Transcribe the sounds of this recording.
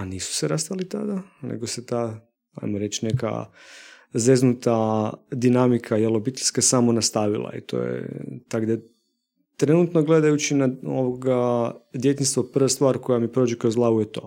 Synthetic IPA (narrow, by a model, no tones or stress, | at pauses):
aniːsu̥seɾast̪alit̪a̰d̪anḛɡoset̪aː | a̰jmoɾe̞t͡ʃne̞ka̰ | zeznut̪ad̪inamikʰajelo̞bit̪eʎʲskasaːmonast̪aʋilˠa̰ḭt̪ʰo̰ːjḛt̪aɡd̪a | t̪ɾe̞nut̪noɡle̞d̪ajut͡ʃinaoʋoɡad̪je̞t̪inst̪ʋopr̩ʋast̪ʋaːɾko̞jamipɾod͡ʒekojozlˠaujet̪o̞̰ː